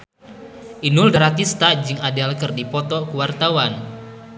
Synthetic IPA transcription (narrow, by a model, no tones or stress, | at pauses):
ʔinʊldaɾat̪ist̪ad͡ʒɨŋadalkərdipɔt̪ɔkuwart̪awan